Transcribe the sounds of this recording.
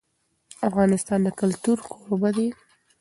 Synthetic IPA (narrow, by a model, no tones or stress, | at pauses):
afɣɑnɪst̪ɑnd̪əkʊlt̪uɾkʰoɾobad̪e